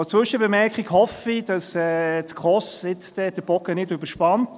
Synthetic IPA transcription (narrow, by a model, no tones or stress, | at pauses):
t͡sʋʏʃəbəmɛɾkχiɡhɔfid̥ɑsɛːtkχɔsɪt͡stɛd̥əb̥ɔkənɪdyb̥əʃpɑnt